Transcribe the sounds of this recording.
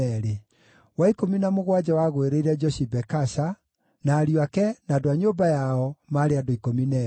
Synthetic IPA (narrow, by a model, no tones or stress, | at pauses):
ɛɾe | waikominamoɣwad͡ʑawaɣweɾeiɾɛd͡ʒɔsibɛkasa | naːɾiwakɛnadoaɲoːbajaɔmaɾeadoikominɛ